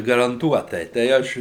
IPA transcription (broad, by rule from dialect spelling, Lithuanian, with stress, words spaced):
ɡɐrɐnˈtuɔtɐɪ tɐɪ ˈɐʃ